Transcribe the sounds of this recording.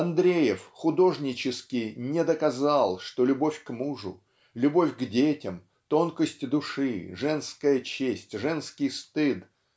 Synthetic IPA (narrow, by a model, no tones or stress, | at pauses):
ɐnd̪ɾʲejɪfxʊd̪o̞ʐnʲɪt͡ɕɪskʲɪjnʲɪd̪əkɐzalˠʂt̪o̞lʲʊbofʲkmuʐʊ̰ | lʲʊbo̞fʲɡdʲetʲɪm | t̪o̞nkəsʲtʲd̪ʊʂɨʐɛnskəjət͡ɕesʲtʲʐɛnskʲɪjst̪ɨt̪